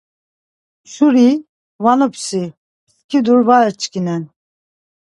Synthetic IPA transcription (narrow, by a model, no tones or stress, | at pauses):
ʃuɾi | vanɔpʰsi | skʰid̪uɾvaɾɛɾt͡ʃʰʼkʰinɛn